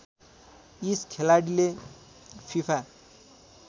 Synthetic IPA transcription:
iskʰelaɽile | pʰipʰa

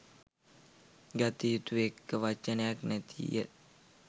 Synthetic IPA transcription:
ɡat̪ijut̪uekːəʋat͡ʃːənəjaknæt̪ʰḭjḛ

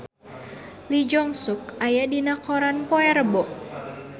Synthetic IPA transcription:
lid͡ʒɔŋsuk̚ajadinakɔɾanpɔɛɾəbɔʔ

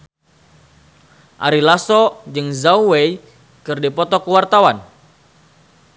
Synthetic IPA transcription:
ʔa̰ɾilasɔd͡ʒɨŋzawwej | kɨrdipɔt̪ɔkəwart̪awan

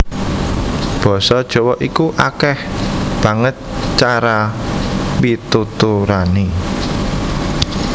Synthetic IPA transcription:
b̥ɔ̤sɔd̥ʒ̥ɔ̤wɔʔikuʔakɛhb̥ä̤ŋət̪̚t͡ʃaɾa | wit̪ut̪uɾani

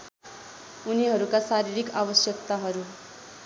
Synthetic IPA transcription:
uniɦʌɾukasaɾiɾikabʌsjʌk̚t̪aɦʌɾu

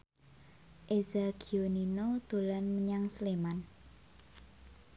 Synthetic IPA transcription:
ʔezaɡʰioninod̪̥o̤lanməɲaŋsleman

